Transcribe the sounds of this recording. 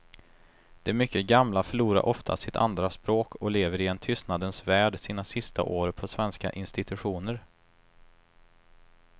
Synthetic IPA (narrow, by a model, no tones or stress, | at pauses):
d̪̥ɛmʏkːəɡamlafœɭuːɾa̰ɾʔɔft̪ʰa̰sɪt̪ʰa̰nd̪ɾaspɾoːkʰɔleːvəɾɪɛnt̪ʰʏst̪nad̪ənsvæːɖsiːnasɪst̪ʰa̰ʔoːɾpʰɔsvɛnska̰ʔɪnst̪ɪt̪ɵɧuːnəɾ